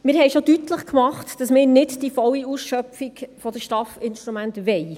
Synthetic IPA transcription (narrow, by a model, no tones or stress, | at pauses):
mɪːɾɦɛɪʃodytləχkmɑχtd̥ɑsmɪːɾnɪdd̥ifɔliusʃœpfiɡfɔdəʃtɑfɪnʃt̪ɾumæntʋɛj